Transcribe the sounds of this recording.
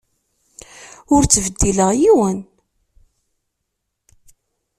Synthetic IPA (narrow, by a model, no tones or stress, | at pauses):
ʊɾt͡sːəvəd̪ːiləʁjiwən